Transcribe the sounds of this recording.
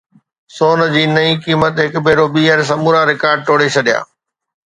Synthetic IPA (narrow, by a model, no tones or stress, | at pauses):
soːnd͡ʑiːnɐĩkiːmət̪ɦɪkbʱeːɾobiːəɾs̬ɐmuːɾaɾɪkaːɾɖ̚ʈoːɽet͡ɕʰɐɗija̰ː